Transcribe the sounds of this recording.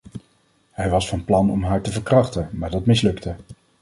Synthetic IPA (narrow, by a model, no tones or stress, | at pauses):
hɛjʋɑsfɑnplɑnɔ̰mɦaːɹtəvəɹkrɑχtənmaːɹdɑtmɪslɵktə